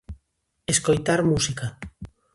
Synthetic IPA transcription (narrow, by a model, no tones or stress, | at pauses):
eskojt̪aɾmusika